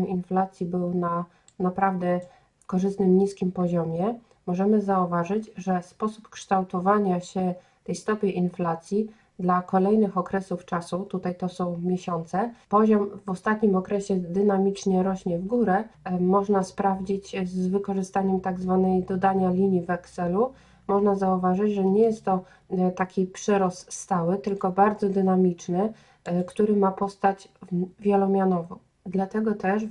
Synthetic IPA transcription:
ninflat̪sʲjibɘwna | napɾavd̪ɛ | kɔʐɘst̪nɘmɲiskʲimpɔʑɔmʲjɛ | mɔʐɛmɘzauvaʐɘd͡ʑʐɛspɔsupkʂt̪awt̪ɔvaɲaɕɛ | t̪ɛjst̪ɔpʲjeʔinflat̪sʲji | d̪lakɔlɛjnɘxɔkɾɛsuft͡ʂasut̪ut̪ajt̪ɔsɔ̃w̃mʲjeɕɔnt̪sɛpɔʑɔmvɔst̪at̪ɲimɔkɾɛɕɛd̪ɘnamʲit͡ʂɲɛɾɔɕɲɛvɡuɾɛmɔʐnaspɾavd͡ʑit͡ɕzvɘkɔʐɘst̪aɲɛmt̪aɡzvanɛjd̪ɔd̪aɲalʲiɲjivɛksɛlu | mɔʐnazauvaʐɘd͡ʑʐɛɲɛjɛst̪ːɔ | t̪akʲipʂɛɾɔsːt̪awɘt̪ɘlkɔbaɾd̪zɔd̪ɘnamʲit͡ʂnɘ | kt̪uɾɘmapɔst̪at͡ɕvʲjɛlɔmʲjanɔvɔ̃w̃ | d̪lat̪ɛɡɔt̪ɛʂ

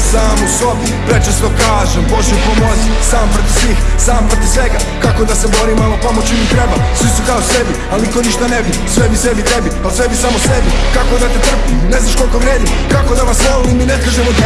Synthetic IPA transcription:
saːmoso̞bi | pɾet͡ʃest̪okaːʒembo̞ʒɛupomozisaːmpɾot̪iʋsʋiːxsaːmpɾot̪iʋsʋe̞ɡa | kako̞d̪ase̞bo̞ɾimalopomot͡ɕimit̪ɾebasʋisukaose̞bi | aliko̞niʃt̪anebi | sʋebise̞bit̪ebialsʋebisamose̞bikako̞d̪at̪et̪r̩pine̞znaʃko̞lˠikoɡɾeːd̪ikako̞d̪aʋasneoniminekaʒemot̪

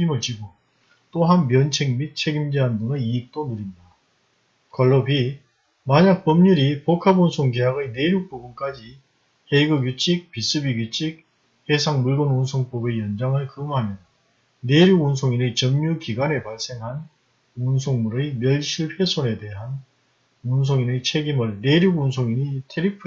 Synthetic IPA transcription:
imɯɭt͡ɕiɡo | t͈oɦanmjʌnt͡ɕʰeŋmit̚t͡ɕʰe̞ɡimd͡ʑeɦandɯŋɯiːk̚t͈onɯɾinda | kʌɭːʌbʰi | maɲak̚p͈ʌmɲuɾipokʰabunsʰoŋɡejaɡɯjne̞ɾjuk̚p͈ubunk͈ad͡ʑi | heɡɯɡjut͡ɕʰik̚pis͈ʰɯbiɡjut͡ɕʰik̚ | hesʰaŋmuɭɡonunsʰoŋp͈obe̞jʌnd͡ʑaŋɯɭkɯmɦamjʌ | ne̞ɾjuɡuns̬ʰoŋinɯt͡ɕʌmɲukiɡwane̞paɭs͈e̞ŋɦan | uns̬ʰoŋmuɾɯjmjʌɭɕʰiɭpʰe̞sʰone̞de̞ɦan | uns̬ʰoŋinɯt͡ɕʰe̞ɡimɯɭne̞ɾjuɡuns̬ʰoŋinitʰeɾipʰ

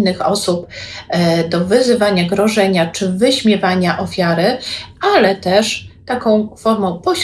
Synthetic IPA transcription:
nːɘxɔ̰sup̚ | d̪ɔvɘzɘvaɲaɡɾɔʐɛɲat͡ʂɘvɘɕmʲjɛvaɲaʔɔfʲjaɾɘʔalɛt̪ɛʂt̪akɔ̃w̃fɔɾmɔ̃w̃pɔɕ

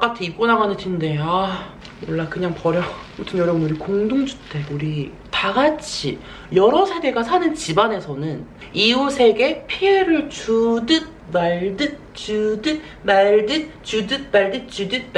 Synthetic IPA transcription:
k͈atʰiik͈onaɡanɯntʰinde̞a | wʌɭːakɯɲaŋpʌɾjʌotʰɯnjʌɾʌbɯnuɾikoŋdoŋd͡ʑu̥tʰe̞uɾi | taɡat͡ɕʰḭ | jʌɾʌsʰe̞ɡe̞ɡasʰanɯnt͡ɕibane̞sʰʌnɯn | iusʰe̞ɡe̞pʰieɾɯɭt͡ɕudɯt̚maɭdɯt̚ | t͡ɕudɯt | maɭdɯt̚t͡ɕudɯt̚paɭdɯt͡ɕidɯt̚p

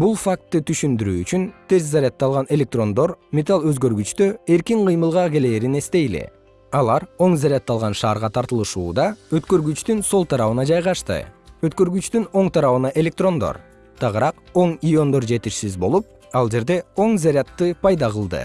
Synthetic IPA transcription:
bulˠfak̚t̪ːɯt̪ʰyʃynd̪yɾyːt͡ʃynt̪ʰe̞zzaɾʲɪat̪ːɑlˠʁɑne̞lʲe̞k̚t̪ro̞nd̪o̞ɾmʲe̞t̪alˠø̞zɡø̞ɾɡyt͡ʃt̪øe̞ɾkiŋqʰɯjmɯlˠʁɑke̞le̞ːɾine̞st̪e̞jlḭ | ɑlˠɑɾo̞ŋzʲaɾʲat̪ːɑlˠʁɑnʃɑːɾʁɑt̪ʰɑɾt̪ɯlˠɯʃṵːd̪ɑøt̪kø̞ɾɡyt͡ʃt̪ynso̞lˠt̪ʰɑɾɑβɯnɑd͡ʒɑjʁɑʃt̪ɯ̰øt̪kø̞ɾɡyt͡ʃt̪yno̞ɴt̪ʰɑɾɑβɯnɑʔe̞lʲe̞k̚t̪ro̞nd̪o̰ɾ | t̪ʰɑʁɯɾɑq | o̞ŋijo̞nd̪oɾd͡ʒe̞t̪iʃsizbo̞lˠup̚ | ɑlˠd͡ʒe̞ɾd̪e̞o̞ŋzʲaɾʲɪat̪ːɯpʰɑjd̪ɑʁɯlˠd̪ɯ̰

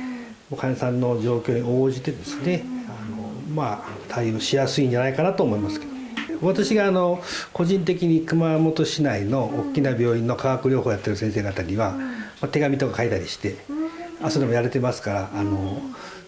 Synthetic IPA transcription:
mokʰãɰ̃sãnːo̞d͡ʑo̞ːkʲo̞ːɲ̟io̞ːʑit̪e̞d̪e̞sɨne̞anoma | t̪ʰaijoːɕijasɨĩɲ̟d͡ʑanaikanat̪o̞ːmo̞imasɨ̥ke̞d̪o | βat̪aɕiɡaːno̞ko̞ʑĩnt̪̬e̞kʲiɲ̟ikɯ̟mamo̞t̪o̞ɕinaino̞ːkʲːinabʲo̞ːĩnːo̞kʰaɡakɯ̟ɾʲo̞ːhoːjat̪ːe̞ɾɯ̟sẽse̞ːɡat̪aɾʲiβamat̪e̞ɡamʲit̪o̞kakait̪aɾʲiɕi̥t̪e̞asoɾe̞mo̞jaɾet̪e̞masɨ̥kaɾaːno̞

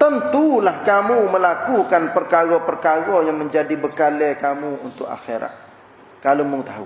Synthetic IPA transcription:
t̪ənt̪ulahkamuməlakukanpərkaɾɔpərkaɡojaŋmə̃ɲd͡ʒadibəkalɛkamuunt̪ʊk̚a̰xeɾa̰t̪̚ | kaloməŋət̪aɦṵ

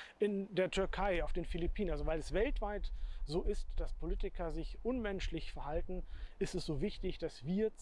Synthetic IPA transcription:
ʔɪndeːɐtʰʏɐkʰaɪaʊfd̥eːnfilipʰiːnənalzovaɪlɛsvɛltv̥aɪtz̥oːʔɪstd̥aspʰoliːtɪkʰɐzɪçʔʊnmɛnʃlɪçfɛɐhaltn̩ʔɪstɛsz̥oːvɪçtɪçd̥asviːɐt͡s

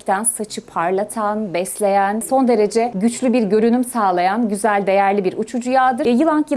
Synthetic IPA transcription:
t̪ʰænsat͡ʃʰɯpʰaɾlˠat̪ʰanbɛslʲe̞jænso̞nd̪e̞ɾe̞d͡ʒɛɟyt͡ʃlʲybiɾɟø̞ɾynymsaːlˠajanɟyzælʲd̪e̞jæɾlʲibiɾʔut͡ʃʰud͡ʒujaːd̪ɯɾjɯlˠaŋkjɯ

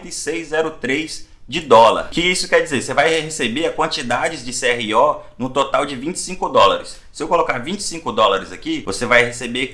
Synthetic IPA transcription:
t̪esejzzɛɾʊt̪ɾejz | d͡ʒɪd̪ɔlɐ̰ɾkɪisʊ̥kɛɾd͡ʒizeɾsevajhesebeɾɐkwɐ̃nt͡ʃid̪ad͡ʒɪzd͡ʒɪseɛhiɔnũt̪ot̪awd͡ʒɪvĩnt͡ʃɪ̥sĩkʊd̪ɔlaɾɪs | sɪewkolokaɾvĩt͡ʃɪ̥sĩŋkʊd̪ɔlaɾɪzakivosevajhesebe

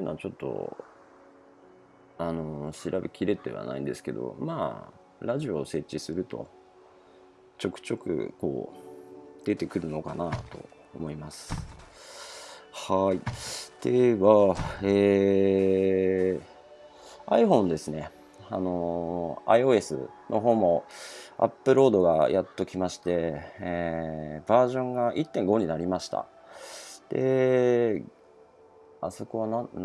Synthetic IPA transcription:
enot͡ɕo̞t̪ːo̞̰ | ano̞ɕiɾʔabekʲiɾe̞t̪e̞̰βa̰na̰ḭ̃nd̪e̞sɨ̥ke̞̰d̪o̞̰maː | ɾaʑio̞se̞t͡ɕːisɨɾɯ̟t̪o̞̰ | t͡ɕo̞kɯ̟̥t͡ɕo̞kɯ̟̰ko̞̰ː | d̪̥e̞t̪e̞kɯ̟ɾɯ̟no̞kanat̪o̞̰ː | mo̞imasɨ̥ | haid̪̥e̞βaeː | aiɸõ̞nd̪e̞sɨne̞ | ano̞a̰io̞ːe̞sɨ̰nʔo̞ɦo̞ːmo̞a̰pːɯ̟ɾo̞ːd̪o̞ɡajat̪ːo̞kʲimaɕi̥t̪e̞ | baːʑõ̞ŋɡaʔit̪ːẽ̞ŋɡo̞ɲ̟inaɾʲimaɕi̥t̪a̰ | d̪̥e̞ | aso̞koβana

